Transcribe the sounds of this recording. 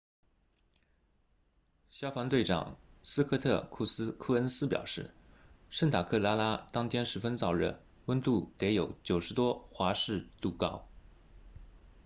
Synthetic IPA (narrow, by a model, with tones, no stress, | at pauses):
ɕjɑ˥ʊfɑ˧˥ŋt̪we˥˩ɪʈ͡ʂɑ̰˨˩ŋsɹ̩˥kʰɤ˥˧t̪ʰɤ˥˧kʰu˥˩skʰu˥˩ə˥nsɹ̩˥pjɑ̰˨˩ʊʂɻ̩˥˩ | ʂə˥˩nt̪ʰa˨˩kʰɤ˥˩la˥la˥t̪ɑ˥ŋt̪ʰjɛ˥nʂɻ̩˧˥fə˥nt͡sɑ˥˩ʊɻə̰˥˩n | wə˥nt̪u˥˩t̪e˧˥ɪjo˧˥ʊt͡ɕjo˨˩ʊʂɻ̩˧˥t̪wɔ˥xwa˧˥ʂɻ̩˥˧t̪u˥˩kɑ˥˩ʊ